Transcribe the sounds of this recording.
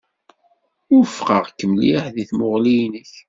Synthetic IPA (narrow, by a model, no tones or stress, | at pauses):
ʊɾfqəʁkːəmliħðiθmʊʁlijnəç